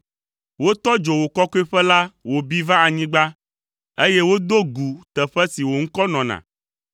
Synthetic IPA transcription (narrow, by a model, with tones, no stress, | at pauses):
wo˦t̪ɔ˦d͡ʒo˨wo˨kɔ˦ko˦ɛ˦ɸɛ˦la˦wo˨bi˦vã˦a˨ɲĩ˦ɡ͡ba˦ | e˦je˦wo˦d̪o˦ɡu˨t̪ɛ˨ɸɛ˦si˨wo˨ŋ̩˦kɔ˦nɔ̃˨nã̰˨